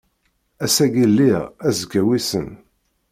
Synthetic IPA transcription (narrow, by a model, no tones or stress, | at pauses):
æsæɡilːiʁæzkːæwisə̰n